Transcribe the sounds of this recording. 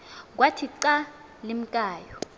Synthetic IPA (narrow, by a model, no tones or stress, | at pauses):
k̬ʼwatʰiǀa | lim̩kʼaːjɔ